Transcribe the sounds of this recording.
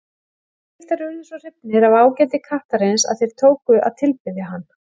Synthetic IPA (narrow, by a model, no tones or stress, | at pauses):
ɛl̥t̪aɾʏɪnsɔr̥ɪpnɪɾavaːwcɛːt̪ɪkʰaht̪aɾejnsa̰ðθejɾ̥t̪ʰoːwkʏʔa̰ðt̪ʰɪlpɪðjaɦanː